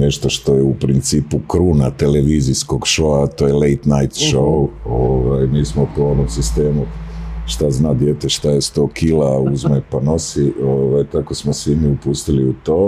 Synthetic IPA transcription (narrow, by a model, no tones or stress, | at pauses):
ne̞ʃt̪o̞ʃt̪o̞jeupɾint̪siːpukɾuːnat̪e̞le̞ʋiːzisko̞ɡʃoat̪ojelejt̪najt̪ʃouoʋajmiːsmopooʋomsist̪e̞ːmuʃt̪aznaːd̪jeːt̪eʃt̪ajest̪o̞ːkʰilauzmepano̞sioːʋajt̪akosmosʋimiupust̪iliut̪o̞ː